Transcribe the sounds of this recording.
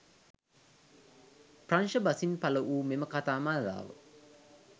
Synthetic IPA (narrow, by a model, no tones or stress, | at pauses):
pranʃəbasinpaləʔuːmeməkat̪aːmaːd̪a̰ːʋə̰